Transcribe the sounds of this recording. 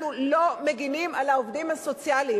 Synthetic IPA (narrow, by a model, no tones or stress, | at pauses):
nulo̞me̞ɡinimalaovdimhaso̞t͡sjali